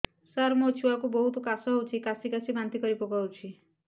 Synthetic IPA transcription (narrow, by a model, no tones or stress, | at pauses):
saɾmot͡ʃʰuwakubɔɦut̪ɔkasɔɦewt͡ʃʰikasikasibant̪ikɔɾipoɡawt͡ʃʰi